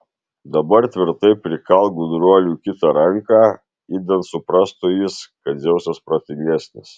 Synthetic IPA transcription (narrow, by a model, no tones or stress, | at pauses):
d̪ɐbɐɾt̪ʲʋʲɪɾt̪ɐɪpʲɾʲɪkɐlˠɡud̪ɾuɔlʲuːkʲɪt̪ɑɾɐŋkɑː | iːd̪ʲɐnt̪sʊpɾɑːst̪ujiskɐt̪zʲɛʊsʲɛspɾɐt̪ʲɪŋʲɡʲæsʲnʲɪs